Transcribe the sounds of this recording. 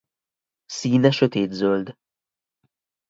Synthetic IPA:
siːnɛʃøt̪eːd̪zøld̪

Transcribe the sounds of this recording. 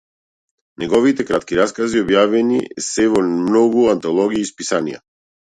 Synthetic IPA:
nɛɡɔvit̪ɛkɾat̪kiɾaskaziɔbjavɛnisɛvɔmnɔɡuant̪ɔlˠɔɡiːspisanḭja̰

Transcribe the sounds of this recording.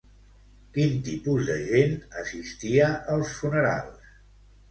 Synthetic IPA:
kint̪ipuzðəʒenəsist̪iəʔəlˠsfunəɾa̰lˠs

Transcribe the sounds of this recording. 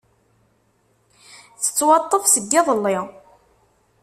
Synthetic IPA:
θə̥t͡sːwɑt̪ˤːəvsəɡːɪðˤəlːɪʁ

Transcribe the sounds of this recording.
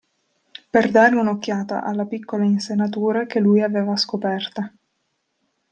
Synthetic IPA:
perd̪aːɾeunokːjaːt̪a̰ʔalːapikːolainsenat̪̬uːɾakelːujaveːvaskopɛrt̪a

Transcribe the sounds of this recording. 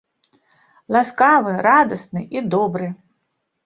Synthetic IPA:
lˠaskavɨrad̪ɐsnɨʔid̪ɔbɾɨ

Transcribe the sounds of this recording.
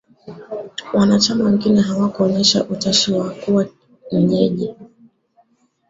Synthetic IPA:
wanat͡ʃamawɛŋɡinɛɦawakuɔɲɛʃa̰ʔutaʃiwakuwa | m̩ɲɛʄi

